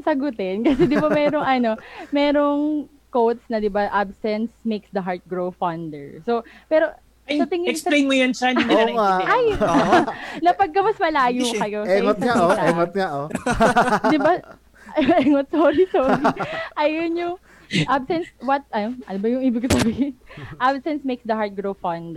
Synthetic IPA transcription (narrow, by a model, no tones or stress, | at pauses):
sɐɡʊt̪ɛnkɐs̬ɛd̪ɪbamɛːɾoŋʔɐno̞mɛːɾoŋ | kowt̪̚snɐd̪ɪbaʔabsɛnsmejksd̪ɐɦaɹt̪̚ɡɹowfɐnd̪ɛɹsopɛːɾo | sɐt̪ɪŋɪɛslejnmʊjɐnsɐniŋaaj | nɐpɐɡ̚kːɐmɐsmɐlaːjukɐjoɛot̪ɐŋaoɛŋot̪̚ŋaʔo | d̪ɪba | ʔɛŋot̪̚soːɾisoːɾiʔɐjonjʊŋ | ʔabsɛnswɐt̪̚ɐnonɐd̪ɪbɐjʊŋʔiːbɪɡkːsɐsɐbiːhɪnʔabsɛnsmejksd̪ɐhaɹt̪̚ɡɹowfɐnd̪